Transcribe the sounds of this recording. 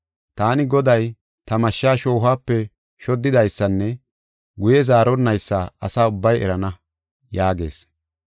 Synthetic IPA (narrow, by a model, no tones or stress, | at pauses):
t̪aːnɪɡɔd̪ɐj | t̪ɐmɐʃːaːʃo̞ːɦaːpːɛ | ʃɔd̪ːɪd̪ɐjsːɐnːɛ | ɡʊjɛzaːɾɔnːɐjsːaːɐsaːʊbːɐjɛ̰ɾɐnɐ | jaːɡe̞̰ːs